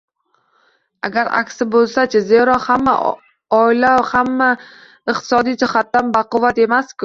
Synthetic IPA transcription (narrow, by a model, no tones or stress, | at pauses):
a̰ɡʲaɾa̰kʲsɪbolˠsat͡ʃʰazeɾɒhamːa̰ | ɒɪlawhamːa | ɪqt̪ʰɪ̥sɒd̪ijd͡ʒɪhat̪ːanbaqʊvat̪e̞maskʲʊ